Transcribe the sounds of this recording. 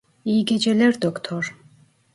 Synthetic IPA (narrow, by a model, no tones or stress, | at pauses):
iɡed͡ʒeleɾd̪okt̪ʰoɾ